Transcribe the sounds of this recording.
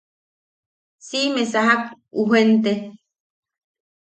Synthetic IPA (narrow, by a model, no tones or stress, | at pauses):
simesaɦak̚ | uɦent̪e